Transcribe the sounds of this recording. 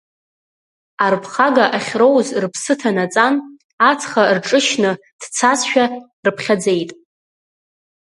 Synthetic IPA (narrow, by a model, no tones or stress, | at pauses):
arpʰχaɡaʔaχʲro̞wzrpʰsɨtʰanat͡sʼan | at͡sʰχarʈ͡ʂʼɨʃnɨ | d̥t͡sʰasʃᶣa | rɨpʰχʲad͡ze̞jtʼ